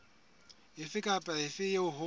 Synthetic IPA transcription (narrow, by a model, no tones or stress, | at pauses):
ɪfɪkʼapʼaɪfɪjeʊhʊ